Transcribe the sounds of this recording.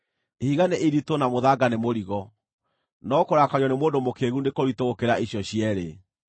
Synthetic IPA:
ehiɣaneʔeɾitonamoðaɡanemoɾiɣɔ | nɔkoɾakaɾjɔnemoːndomokeɣundekoɾitoɣokeɾaʔiɕjɔɕiɛɾe

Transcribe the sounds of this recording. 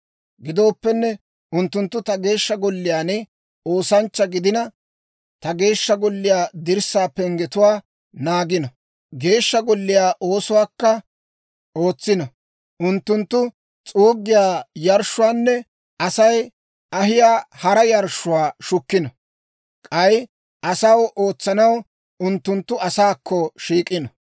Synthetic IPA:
ɡɪd̪o̞ːpːɛnːɛ | ʔʊnt̪ːʊnt̪ːʊt̪ɐɡe̞ːʃːɐɡɔlːɪjaːnɪ | o̞ːsɐnt͡ʃːɐɡɪd̪ɪnɐ | t̪ɐɡe̞ːʃːɐɡɔlːɪjaːd̪ɪɾsaːpɛŋɡɛt̪ʊwaː | naːɡɪnɐ | ɡe̞ːʃːɐɡɔlːɪjaːʔo̞ːsʊwaːkːɐ | o̞ːt͡sːɪnɐ | ʔʊnt̪ːʊnt̪ːʊ | t͡sʼuːɡːɪjaːjɐɾʃʊwaːnːɛ | ɐsɐj | ʔɐɦɪjaːhɐɾɐjɐɾʃʊwaːʃʊkːɪnɔ | kʼɐj | ɐsɐwʔo̞ːt͡sːɐnɐw | ʊnt̪ːʊnt̪ːʊɐsaːkʰːɔʃiːkʼːɪnɔ

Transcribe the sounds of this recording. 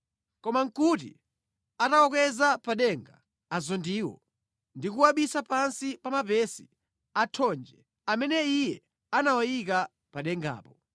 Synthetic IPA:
kɔmaŋ̩kut̬ḭ | atawɔk̬ɛzapaɗɛŋɡaː | zɔndiːwɔ̰ | ndikuwaɓisapansipamapɛsi̥ | atʰɔnd͡ʒɛ | amɛnɛijɛ | anawajik̬a | paɗɛŋɡa̰ːpɔ

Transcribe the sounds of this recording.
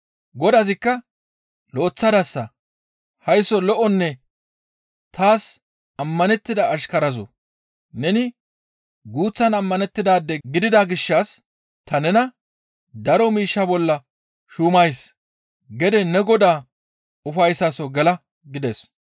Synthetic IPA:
ɡɔd̪ɐzɪkːɐ | loːt͡sːɐd̪ɐsːɐ | hɐjsɔlɔʔɔnːɛ | t̪aːs | ɐmːɐnɛt̪ːɪd̪ɐːʃkɐɾɐzɔ̰ | nɛnɪ | ɡuːt͡sːɐnɐmːɐnɛt̪ːɪd̪aːd̪ːɛɡɪd̪ɪd̪aɡɪʃːaːs | t̪ɐnɛnɐ | d̪ɐɾɔmiːʃːɐbɔlːɐ | ʃuːmɐjs | ɡɛd̪ɛnɛɡɔd̪aː | ʊfɐjsaːsɔɡɛlɐ | ɡɪd̪ɛs

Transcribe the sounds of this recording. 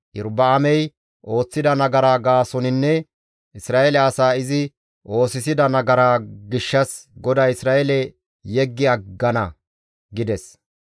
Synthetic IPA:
ʔɪɾbɐːmɛj | ʔo̞ːt͡sːɪd̪ɐnɐɡɐɾaːɡaːsɔnɪnːɛ | ʔɪsɾaːʔɛlɛɐsaːɪzɪ | ʔo̞ːsɪsɪd̪ɐnɐɡɐɾaːɡɪʃːɐsɡɔd̪ɐɪsɾaːɛlɛ | jɛɡːɪɐɡːɐnɐ | ɡɪd̪ɛs

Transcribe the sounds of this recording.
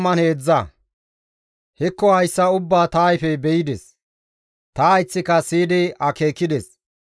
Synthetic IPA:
mɐnheːd͡zːɐ | hɛkːɔhɐjsːɐʊbːaːt̪ajfɛbɛjɪd̪ɛs | t̪ɐɪt͡sːɪkɐsiːd̪ɪɐke̞ːkːɪd̪ɛs

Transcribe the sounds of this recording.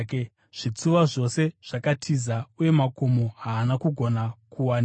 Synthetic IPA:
k | ʐ̥it͡suʋaʐo̞se̞ʐ̥akatʰizauje̞makomoɦaːnakuɡʱo̞nakʰuwan

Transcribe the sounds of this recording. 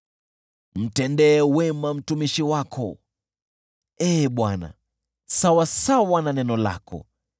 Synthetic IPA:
m̩tɛndɛːwɛmam̩tumiʃiwakʰɔ̰ | ɛːɓwana̰ | sawasawananɛnɔla̰kʰɔ̰

